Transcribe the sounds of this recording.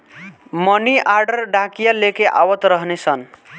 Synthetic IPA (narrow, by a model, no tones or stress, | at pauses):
mʌniʔarɖʌrɖãkijalekeʔa̰wʌt̪ɾʌɦnet͡sʰʌn